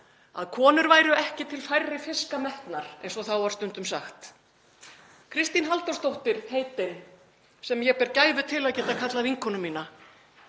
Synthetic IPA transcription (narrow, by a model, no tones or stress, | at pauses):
a̰ðkʰɔːnʏɾvaːjɾʏɛhcɪt̪ʰɪlfajrːɪfɪskamɛht̪naɾ̥ɛ̰jnsɔθawvaɾ̥st̪ʏnt̪ʏmsaxt̪ | kʰɾɪst̪inɦalt̪ɔst̪owht̪ɪɾ̥heːjt̪ɪn | sɛmjɛpɛɾcaːjvʏt̪ʰɪlaðcɛːt̪akʰat̪laviŋkʰɔnʏmːiːna